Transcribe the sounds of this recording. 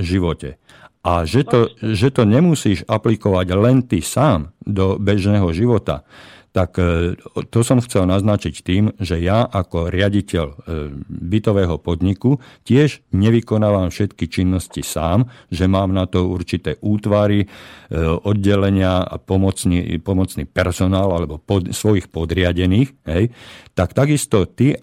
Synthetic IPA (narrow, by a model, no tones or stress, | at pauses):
ʒiʋɔcɛ̰ | ʔaʒɛt̪ɔʒɛt̪ɔɲɛmusiːʒaplikɔʋaɟlɛnt̪isaːmd̪ɔbɛʒnɛːɦɔʒiʋɔt̪a̰t̪ak | t̪ɔsɔmxt͡sɛlnaznat͡ʃict̪iːmʒɛjaʔakɔɾɪaɟicɛʎ | bit̪ɔʋɛːɦɔpɔd̪ɲikucɪɛʒɲɛʋikɔnaːʋamfʃɛt̪kit͡ʃinːɔscisaːmʒɛmaːmnat̪ɔuɾt͡ʃit̪ɛːʔuːt̪ʋaɾi | ɔd̪̚ɟɛlɛɲɪa̰pɔmɔt͡snḭpɔmɔt͡sniːpɛɾsɔnaːlalɛbɔpɔsʋɔjixpɔd̪ɾɪaɟɛniːxɦɛjt̪akt̪aɡist̪ɔt̪i